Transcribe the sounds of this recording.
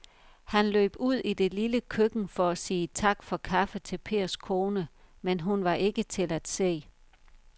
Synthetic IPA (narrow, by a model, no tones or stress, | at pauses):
hænlø̰ːb̥uð̞̰ˠid̥e̝liləkʰøɡ̥n̩fɒ̽æsiːt͡sʰɑ̈ɡ̥fɒ̽kʰɑ̈fət͡sʰe̝lpʰe̝̰ːɐ̰skʰo̝ːnəmenɦunʋɑ̈ʔe̝ɡ̥ət͡sʰe̝læd̥se̝̰ː